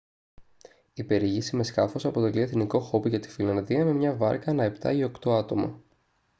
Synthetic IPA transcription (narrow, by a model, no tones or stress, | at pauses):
ipe̞ɾiʝisime̞skɐfo̞sɐpo̞t̪e̞lieθniko̞xo̞piʝɐt̪i̥filɐnðiɐme̞mɲɐvɐ̰ɾkɐnɐe̞pt̪ɐ̰io̞kt̪o̞ɐt̪o̞mɐ̰